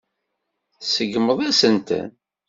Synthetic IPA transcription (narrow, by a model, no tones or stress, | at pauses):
səɡməðˤæsənt̪ə̰n